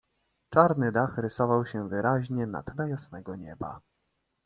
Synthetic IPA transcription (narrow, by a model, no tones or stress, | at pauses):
t͡ʂaɾnɘd̪axɾɘsɔvawɕɛvɘɾʔaʑɲɛna̰t̪lɛjasnɛɡɔɲɛba̰